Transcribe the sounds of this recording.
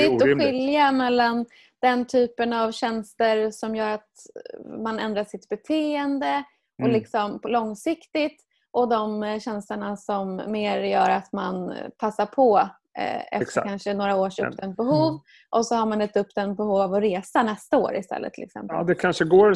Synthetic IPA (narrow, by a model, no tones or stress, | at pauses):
ɪt̪ːɔɧɪljamɛlːan | d̪̥ɛnt̪ʰyːpənavɕɛnst̪əɾsɔmjœːɾat̪ | manɛ̰nd̪ɾaʂɪt̪bɛt̪ʰeːɛnd̪ə | ɔlɪksɔmlɔŋsɪkt̪ɪt̪ | ʔɔd̪ɔmɕɛnsləɳasɔmːeːɾjœːɾat̪manpʰasːapʰɔ | ɛ̰tɾkʰanʂənoːɾaoːʂɵp̚ːd̪ɛnt̪̚bɛɦuːv | ʔɔsɔhaɾmanɛt̪ɵp̚t̪ɛn̚bɛhuːvɔɾeːsanɛst̪ao̰ːɾɪ̰st̪ʰɛ̰lːə̰t̪ʰːɪlɪ̰ksɛ̰mp̪əd̪ɛkʰanʂəɡoː